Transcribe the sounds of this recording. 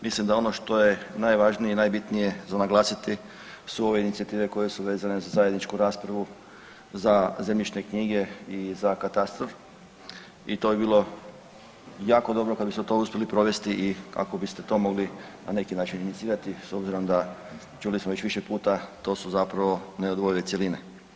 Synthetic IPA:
mislimd̪ao̞noʃt̪o̞je̞najʋaʒnijeinajbit̪nije̞zanaɡlˠaːsit̪i | suo̞ʋe̞init̪siat̪iːʋe̞ko̞jesuʋe̞ːzane̞zazaːje̞d̪nit͡ʃkuɾaːspɾaʋu | zazemʎit͡ʃnekɲiːɡe̞izakat̪ast̪ɾof | it̪o̞bibiːlo̞ | jaːko̞d̪o̞bɾokad̪bisot̪o̞uspʲjelipɾo̞ʋe̞st̪iʔika̰ko̞bist̪et̪o̞ːmo̞ɡlina̰ne̞kinaːt͡ʃininit̪siːɾat̪iso̞bziɾo̞md̪a | t͡ʃulismoʋe̞t͡ɕʋiʃepuːt̪at̪o̞ːsuzapɾaʋo̞neod̪ʋo̞jiletseline

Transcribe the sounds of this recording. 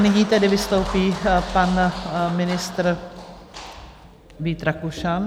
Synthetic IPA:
nɪɲiːt̪ɛdɪvɪst̪owpiːpanmɪnɪst̪ɾ | viːt̪ɾakuʃan

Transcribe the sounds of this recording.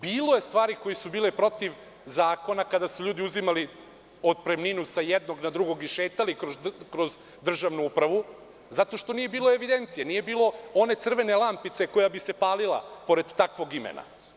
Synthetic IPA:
biːlˠojest̪ʋaːɾiko̞jisubiːlepɾo̞t̪iʋ | zaːko̞nakad̪asuʎuːd̪iuzimali | od̪̚pɾemninusajed̪noɡnad̪ɾuɡo̞ɡiʃeːt̪alikkɾoz | d̪r̩ʒaʋnuupɾaʋu | zat̪o̞ʃt̪o̞nije̞biːlˠo̞eʋid̪e̞nt̪sijenije̞biːlˠo̞o̞ne̞t̪sr̩ʋe̞nelˠampit̪se̞ko̞jabisepaːlilˠa̰po̞ɾe̞d̪ːakʋo̞ɡimḛnʔa̰

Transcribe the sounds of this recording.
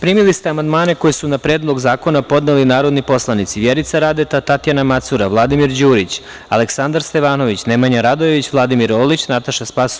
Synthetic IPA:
pɾiːmilist̪eamand̪maːne̞ko̞jesunapɾeːd̪lˠo̞ɡzaːko̞napo̞d̪nelinaːɾo̞d̪nipo̞slˠanit̪siʋjeɾit̪saɾad̪e̞t̪at̪at̪ijanamat̪suɾaʋlˠad̪imiɾd͡ʑuːɾit͡ɕ | a̰leksand̪aɾst̪e̞ʋaːno̞ʋit͡ɕne̞maɲaɾad̪ojeʋit͡ɕʋlˠad̪imiɾoːlit͡ɕnat̪aʃaspas

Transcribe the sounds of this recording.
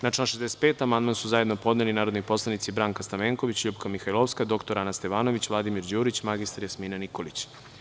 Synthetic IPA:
naʈ͡ʂanʃezd̪ese̥t̪peːt̪amand̪mansuzaje̞d̪no̞po̞d̪nelinaːɾod̪nipo̞slˠanit̪sibɾaːŋkast̪aʋeŋko̞ʋit͡ɕʎupkamixajlˠoʋskad̪o̞kt̪o̞ɾanast̪e̞ʋaːno̞ʋit͡ɕʋlad̪imiɾd͡ʑuːɾit͡ɕmaɡist̪aɾjasmiːnaniko̞lit͡ɕ

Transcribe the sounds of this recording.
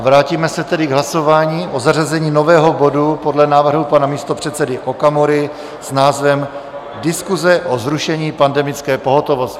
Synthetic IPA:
vɾaːciːmɛsɛt̪ɛdɪɡɦlaso̞vaːɲiːʔo̞zarazɛɲiːno̞vɛːɦo̞bo̞dupo̞dlɛnaːvr̩ɦupanamiːst̪o̞pr̝̥ɛt̪t͡sɛdɪʔokamoɾɪ | snaːzvɛm | dɪskuzɛʔo̞zɾuʃɛɲiːpandɛmɪt͡skɛːpo̞ɦo̞t̪o̞vo̞st

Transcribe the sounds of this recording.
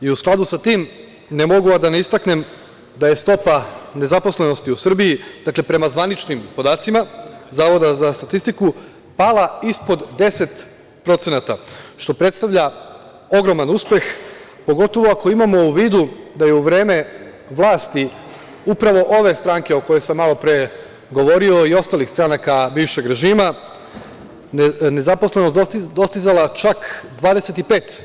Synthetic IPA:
iusklˠad̪usat̪iːm | ne̞mo̞ɡuad̪aneist̪akne̞m | d̪aje̞st̪o̞pane̞zaposle̞no̞st̪iusr̩biid̪̥akle̞pɾe̞mazʋanit͡ʃnimpo̞d̪aːt̪simazaːʋo̞d̪azast̪at̪ist̪iku | paːlaispo̞d̪d̪e̞se̞t̪ | pɾo̞t̪se̞nat̪aʃt̪o̞pɾe̞t̪st̪aʋʎa | o̞ɡɾo̞manuspe̞x | po̞ɡo̞t̪o̞ʋoako̞imamo̞uʋiːd̪ud̪ajeuʋɾe̞ːme̞ | ʋlˠaːst̪i | upɾaʋo̞ʔo̞ʋe̞st̪ɾaŋke̞o̞ko̞jesamːalo̞pɾee | ɡo̞ʋo̞ɾio̞io̞st̪aːlixst̪ɾanakabiːʋʃe̞ɡɾe̞ʒiːma | ne̞zaposlˠe̞nost̪d̪o̞st̪izalat͡ʃakd̪ʋaːd̪e̞se̞t̪ipe̞ːt̪

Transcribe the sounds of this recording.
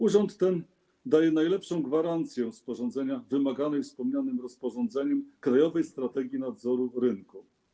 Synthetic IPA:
uʐɔnt̪ːɛn | d̪ajɛnajlɛpʂɔ̃w̃ɡvaɾant̪sʲjɛspɔʐɔnd̪zɛɲavɘmaɡanɛjfspɔmɲanɘmɾɔspɔʐɔ̃nd̪zɛɲɛmkɾajɔvɛjst̪ɾat̪ɛɡʲjinad̪zɔɾuɾɘŋku

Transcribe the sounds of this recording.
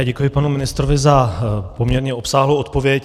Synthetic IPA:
aːɟɛkujɪpanumɪnɪst̪ɾovɪzapo̞mɲɛɾɲɛo̞psaːɦlowot̪po̞vjɛc

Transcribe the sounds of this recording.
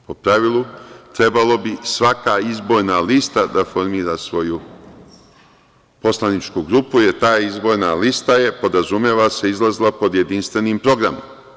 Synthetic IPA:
po̞pɾaʋilut̪ɾe̞balo̞bisʋakaizbo̞ɾnalist̪ad̪afo̞ɾmiːɾasʋo̞ju | po̞slanit͡ʃkuɡɾupujeɾt̪aːizbo̞ɾnalist̪aje̞po̞d̪ɾazumjeːʋase̞izlˠazlˠapo̞d̪je̞d̪inst̪ʋe̞niːmpɾo̞ɡɾamo̰m

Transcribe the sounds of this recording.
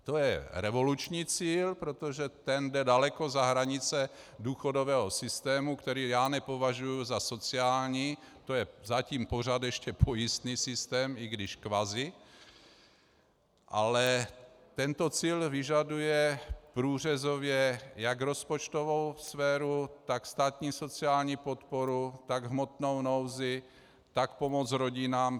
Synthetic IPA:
t̪o̞jɛɾɛvo̞lut͡ʃɲiːt͡siːlpɾot̪oʒɛt̪ɛndɛdalɛko̞zaɦɾaɲɪt͡sɛduːxo̞do̞vɛːɦosɪst̪ɛːmukt̪ɛɾiːjaːnɛpo̞vaʒujuzaso̞t͡sɪaːlɲiːt̪o̞jɛzaciːmpo̞r̝ad̪jɛʃcɛpo̞jɪst̪niːsɪst̪ɛːmɪɡdɪʃkvazɪ | ʔalɛt̪ɛnt̪o̞t͡siːlvɪʒadujɛpɾuːr̝ɛzo̞vjɛjakɾo̞spot͡ʃt̪ovo̞wsfɛːɾut̪akst̪aːt̪ɲiːso̞t͡sɪaːlɲiːpo̞t̪poɾut̪aɡɦmo̞t̪nowno̞wzɪ | t̪akpo̞mo̞t͡sɾo̞ɟɪnaːm

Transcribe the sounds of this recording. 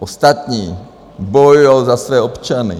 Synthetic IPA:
ɔst̪at̪ɲiː | bɔjujalzasʋɛːɔpt͡ʃanḭ

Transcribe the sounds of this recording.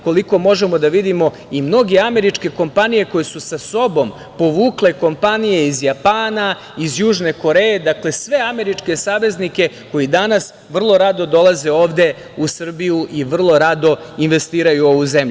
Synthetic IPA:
ko̞liko̞mo̞ʒe̞mo̞d̪aʋid̪imo̞ | imno̞ɡe̞ame̞ɾit͡ʂke̞ko̞mpanije̞ko̞jesusaso̞bo̞m | po̞ʋuːkle̞ko̞mpanije̞izjapaːna | izjuːʒne̞ko̞ɾe̞jed̪akle̞sʋe̞ame̞ɾit͡ʃke̞saːʋe̞znike̞ | ko̞jid̪anas | ʋr̩lˠo̞ɾad̪o̞d̪o̞lˠaze̞o̞ːʋd̪e̞ | usr̩bijuʔiʋr̩lˠo̞ɾad̪o̞inʋe̞st̪iːɾajuo̞ʋuze̞mʎu

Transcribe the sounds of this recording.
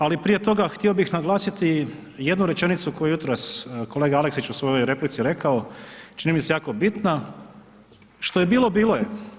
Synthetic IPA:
alipɾije̞t̪o̞ɡaxt̪io̞bixnaɡlˠaːsit̪i | je̞d̪nuɾe̞t͡ʃe̞nit̪sukojuejut̪ɾasko̞leɡaaleksit͡ʃusʋo̞jo̞jɾe̞plit̪siɾe̞kao̞t͡ʃinimisejaːko̞bit̪na | ʃt̪o̞jebiːlˠo̞biːlo̞je

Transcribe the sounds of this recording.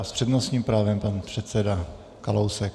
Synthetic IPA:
spr̥ɛdnosɲiːmpɾaːvɛmpanpr̝̥ɛt̪sɛda | kalowsɛk

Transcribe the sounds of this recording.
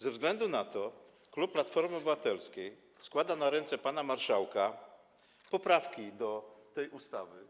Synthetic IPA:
zɛvzɡlɛnd̪unat̪ɔ | kluppːlat̪fɔɾmɘɔbɘvat̪ɛlskʲej | skwad̪anaɾɛnt̪sɛpanamaɾʂawka | pɔpɾafkʲid̪ɔt̪ɛjʔust̪avɘ

